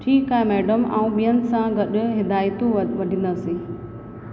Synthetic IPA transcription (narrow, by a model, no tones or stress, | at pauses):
ʈʰiːkaːɦemeːɖəma̰ːũɓijənsãɡɐɗʊ̆ɦɪd̪aːjt̪ũʋɐɖʱĩnd̪əɐsẽː